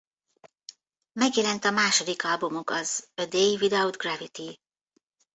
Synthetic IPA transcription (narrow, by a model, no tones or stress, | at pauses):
mɛɡjɛlɛnt̪ɒmaːʃo̞d̪ikɒlbumokɒzød̪eivid̪ɛud̪ɡravit̪i